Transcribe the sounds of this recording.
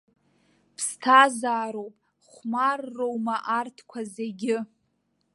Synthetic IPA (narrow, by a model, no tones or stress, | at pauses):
pʰstʰazaːɾowpʼ | χʷmarːowmaʔartʰkʷʰazeɡʲɪ